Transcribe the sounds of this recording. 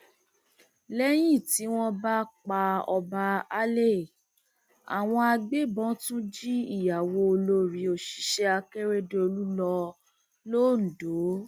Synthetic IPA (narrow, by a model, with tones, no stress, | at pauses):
lɛ˦j̃ĩ˦˨ti˨˦w̃ɔ̃˦ba˦k͡pa˧ɔ̰˧ba˧a˦le˦˨ | a̰˨w̃ɔ̃˧a˧ɡ͡be˦bɔ̃˨˦tũ˦d͡ʒi˦i˦˨ja˨wo˧o˧lo˧ɾi˨˦o˨ʃi̥˨˦ʃɛ˦a˧ke˦ɾe˦de˧o˧lu˦lɔ˧ | lo˦˨n̩˨do˨˦